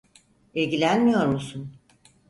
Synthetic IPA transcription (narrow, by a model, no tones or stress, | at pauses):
ilʲɟilʲænmijo̞ɾmusun